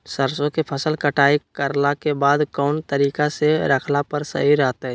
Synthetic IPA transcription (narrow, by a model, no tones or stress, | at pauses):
səɾsõkepʰəsəlkəʈʰaːikəɾlakebaːd̪kɔːnt̪əɾiːkaseɾəkʰlapəɾsə̰ɦiɾaːt̪aɦɛ